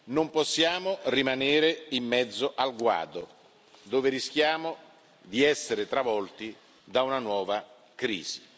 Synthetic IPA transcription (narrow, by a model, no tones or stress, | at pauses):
nomposːjaːmorimaneːɾeimːɛd̪zːoʔalɡwa̰ːd̪o | d̪oːveɾisk̟jaːmo | d̪iɛsːeɾet̪ɾavɔlt̪i | d̪aunanwɔːva | kɾḭːz̥i̥